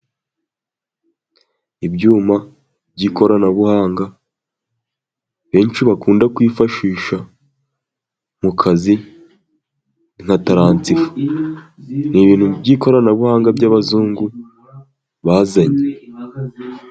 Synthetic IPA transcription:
ibɟuːma | bɟiːko̞ɾanaβuhaːŋɡa | βe̞ːnʃiβakuːndakwiːfaʃiːʃa | mukʰazi | ŋ̥hataɾaːnt͡sifu̥ | niβiːn̥hubɟiːko̞ɾanaβuhaːŋɡabɟaβazuːŋɡu | βaːzaɲe

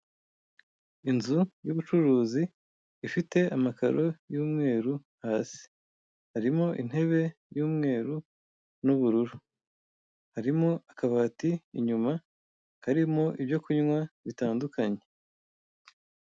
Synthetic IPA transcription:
inzujuβut͡ʃuɾuːziː | fite̞amaka̰ɾo̞juːmŋe̞ːɾuhaːsi̥ | haɾimo̞ʔin̥he̞βe̞ | juːmŋe̞ːɾu | nuβuɾuɾu | haɾimoakaβaːtiːɲuma | kaɾimo̞ʔiβjo̞kuɲŋwaβitaːndukʰaɲe̞

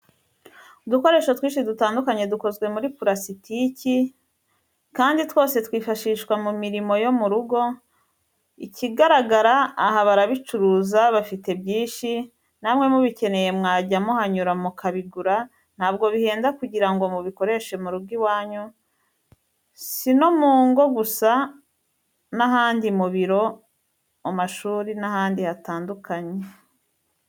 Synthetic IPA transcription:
uduko̞ɾe̞ːʃotwĩːnʃidutaːndukaɲe̞duko̞zɡwe̞muɾipuɾasitici | kaːnditwo̞ːse̞twiːfaʃiːʃwamumiɾimo̞jo̞muɾuɡo̞ | iciɡaɾaɡaɾaːhaβaɾaβit͡ʃuɾuːzaβafite̞bɟiːnʃi | namŋe̞muβice̞ne̞je̞mŋaːɟamohaɲuɾamukʰaβiɡuɾa | n̥haːbɡo̞βihe̞ːndakuɟiɾaŋɡo̞muβiko̞ɾe̞ʃe̞muɾuɡiβwaːɲo | sinomuːŋɡo̞ɡusa | naɦaːndimuβiɾo̞ | amaʃuːɾinahaːndihataːndukʰaɲe

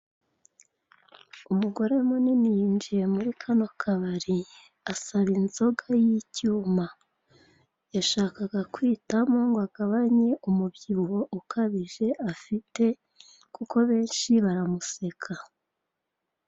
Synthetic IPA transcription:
umuɡo̞ɾe̞muninijiːnd͡ʒije̞muɾikʰanokʰaβaɾi | asaβinzo̞ɡajicuːma | jaʃaːkaɡakwiːtamuːŋɡoaɡ̥aβaɲe̞ʔumubɟiho̞ʔukʰaβiʒe̞ʔafite̞ | kuko̞βe̞ːnʃiβaɾamuse̞kʰa

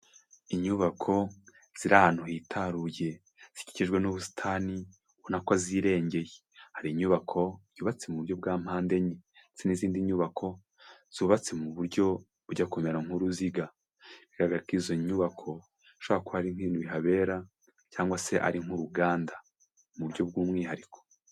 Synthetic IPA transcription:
iɲuβakʰo̞ | z̥iɾahanuhitʰaɾuje | z̥i̥ci̥ciʒɡwe̞nuβusi̥tʰaːni | βonakwaziːɾe̞ːɲɟe̞je | haɾiːɲuβakʰo̞ɲjuːβat͡semuβuɾɟo̞b̚ɡaːm̥haːnde̞ɲiseniziːndiɲuːβakʰo̞ | z̥uβat͡semuβuɾɟo̞ | βuɟakomeɾaŋ̥uɾuziɡa | βiɡaɡaɾikizoɲuβakʰo̞ | ʃoβaakohaɾiŋhinuβiɦaβe̞ːɾa | caːŋɡwase̞ʔa̰ɾiŋ̥huɾuɡaːnda | muβuɾɟo̞b̚ɡuːmŋiːhaɾikʰo̥

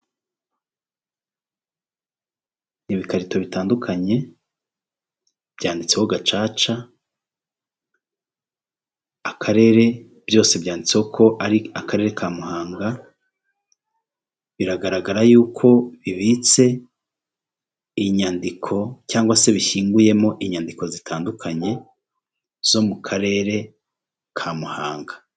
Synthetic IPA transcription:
niβikaɾito̞βitaːndukʰaɲe̞ | b̥jaːndit͡sewoɡat͡ʃaːt͡ʃa | akʰaɾe̞ɾe̞ | b̥jo̞ːse̞bjaːndit͡seokʰo̞ʔaɾiakaɾe̞ːɾe̞kʰaːmuhaːŋɡa | βiɾaɡaɾaɡaɾajuːkʰo̞βiβit͡se̞ | iɲandikʰo̞caːŋɡwase̞βiçiːŋɡuje̞mo̞ʔiɲandiko̞zitʰaːndukʰaɲe̞ | z̥o̞mukʰaɾe̞ːɾe̞ | kʰamuhaːŋɡḁ

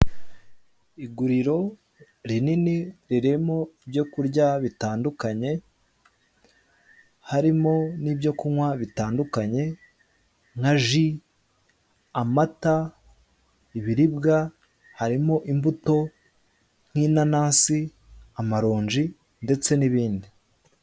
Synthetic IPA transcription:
iɡuɾiɾo̞ | ɾininiɾiɾe̞mo̞ibjo̞kuɾɟaβitaːndukaɲe̞ | haɾimo̞nibɟo̞kuŋwaβitaːndukaɲe̞ | ŋ̥haʒi | amata | iβiɾibɡa | haɾimo̞ʔimbuto̞ | ŋ̥hiːnanaːnsi | amaɾo̞ːɲd͡ʒi | nde̞t͡se̞niβiːndi

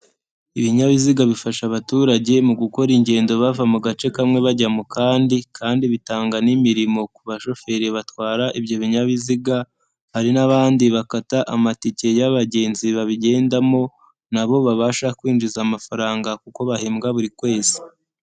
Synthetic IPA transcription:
iβiɲaβiziɡaβifaʃaβatuːɾaɟe̞muɡuko̞ɾiɲɟe̞ːndo̞βavamuɡat͡ʃe̞kamŋe̞βaɟamukaːndikʰaːndiβitaːŋɡanimiɾimo̞kuβaʃo̞fe̞ɾiβatwaːɾaʔibɟo̞βiɲaβiziɡa | haɾinaβaːndiβakataʔamatice̞jaβaɟe̞ːnziβaβiɟe̞ːndamo̞ | naβo̞βaβaːʃakwiːnd͡ʒizamafaɾaːŋɡakuko̞βaheːmɡaβuɾikwe̞ːz̥i̥

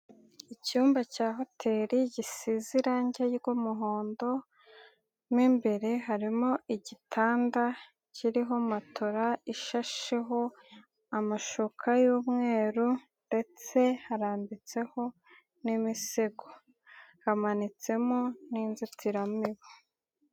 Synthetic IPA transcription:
icuːmbacaːɦo̞tʰe̞ɾiɟisiziɾaɲɟajiɡomuɦoːndo̞ | miːmbe̞ɾe̞ɦaɾimoiɟitʰaːnda | cʰiɾiɦo̞matʰoɾaiʃaʃeɦo̞ | amaʃokʰajuːmŋe̞ːɾu | nde̞t͡se̞haɾaːmbit͡se̞ho̞ | nimiseɡo | hamanit͡se̞moniːnzitʰiɾamiβo

